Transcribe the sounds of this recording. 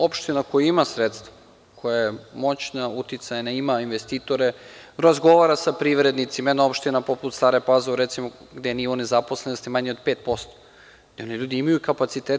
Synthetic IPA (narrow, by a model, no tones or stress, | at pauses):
opʃt̪inakojuimasɾet̪st̪va | kʰojajemo̞t͡ɕnaut̪it̪sajnaimainʋest̪iːt̪o̞ɾeɾazɡo̞ʋaɾasapɾiʋɾe̞d̪nit̪simeneo̞pʃt̪inapoput̪st̪aːɾepazeuɾet̪simoɡd̪enionezapo̞slenost̪imaɲeod̪peːt̪̚po̞st̪o | d̪eo̞niʎuːd̪iimajukapat̪sit̪eːt̪